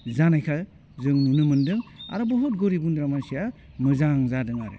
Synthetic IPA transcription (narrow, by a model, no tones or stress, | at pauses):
zanajkʰa | zɯŋnunɯmɯndɯŋa̰ɾɔbɔɦɔt̚ɡoɾibundɾamasia | mɯzaŋzadɯŋaɾɯ̰